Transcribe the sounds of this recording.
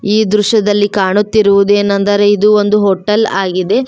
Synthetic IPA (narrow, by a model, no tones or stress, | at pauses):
iːd̪ɾuʃɐd̪ɐlːikaːɳut̪ːiɾuʋud̪e̞ːnːɐnd̪ɐɾeid̪uo̞nd̪uɦoːʈːɐlaːɡid̪e̞